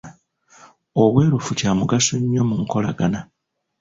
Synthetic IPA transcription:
o̞βwe̞ːɾufucaːmuɡasuɲːo̞muŋko̞la̰ɡana

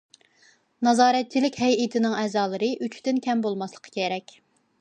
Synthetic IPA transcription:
nɑzɑːɾɛt̪̚t͡ʃʰːilɪkʲhɛjit̪ʰɪnɪŋɛːzɑːlˠɨɾɨʔyt͡ʃʰt̪ɪnkʲɛmbolˠmɑslˠə̥qʰɑ̥kʲeɾɛkʲ

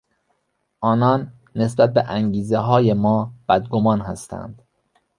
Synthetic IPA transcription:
ʔɒːnɒːnː | e̞sbæt̪̚beʔæŋɟiːzeɦɒːjemɒːb̥æd̪ɡomɒːnhæ̰st̪ʰæ̰nd̪̥

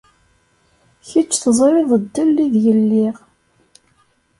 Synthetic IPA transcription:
çit͡ʃːθəzˤɾɪðˤəd̪ːəlːiðjəlːiʁ

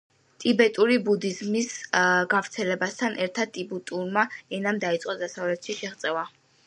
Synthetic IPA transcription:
t̪ʼibɛt̪ʼuɾibud̪izmisɡavɾt̪sʰɛlɛbast̪ʰanɛɾt̪ʰad̪̚t̪ʼibut̪ʼuɾmaɛnamd̪ait̪sʼqʼɔd̪asavlɛt̪ʰʃiʃɛχt̪sʼɛva

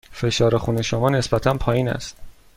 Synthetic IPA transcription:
fe̞ʃɒːɾexuːne̞ʃomɒːne̞sbæt̪ʰænpʰɒːjiːnæ̰st̪

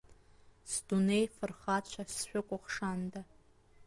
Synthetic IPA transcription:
sdunejfɨrχat͡ɕʷʰasʃʷᶣʊkʷʼʊχʂanda

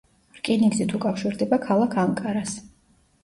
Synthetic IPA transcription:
ɾkʼiniɡzit̪ʰukʼafʃiɾd̪ɛbakʰalˠakʰaŋkʼaɾas

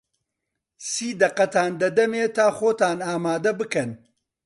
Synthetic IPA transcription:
siːd̪ɐqɐt̪aːnd̪ɐd̪ɐmeːt̪ʰaːxoːt̪aːnaːmaːd̪ɐbɨkɐn

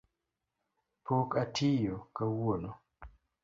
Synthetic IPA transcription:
pokatʰijokawono

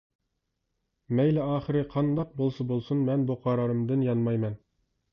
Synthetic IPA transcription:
mɛjlɛɑːχəɾɨqʰɑnd̪ɑq̚bolˠsɑbolˠsunmɛnbuqʰɑɾɑɾɨmd̪ɨnjɑnmɑjmɛn

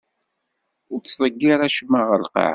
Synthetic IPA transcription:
ʊɾt͡sːðˤəɡːɪɾæʃmːaʁəlqɑ̰ʕ

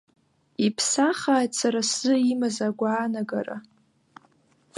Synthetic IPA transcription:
ipʰsaχaːjtsʰaɾasz̥ɨimazaɡʷaːnaɡara̰

